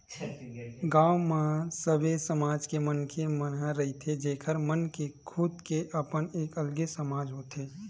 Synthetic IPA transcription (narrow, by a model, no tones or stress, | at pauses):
ɡaːwmasəbesəmaːd͡ʒkemənkʰemənɦaɾɐɦit̪ʰed͡ʒeːkʰəɾmənkekʰuːd̪keʔəpəneːkəlɡesəmaːd͡ʒɦoːt̪ʰeː